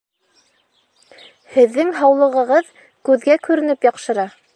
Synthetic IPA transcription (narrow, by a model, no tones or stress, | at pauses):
hɘ̆ðːɘŋɦɑwlˠɤ̆ʁɤ̆ʁɤð | kʉðɡækʉɾɘ̆nɘpjɑqʃɤ̆ɾɑ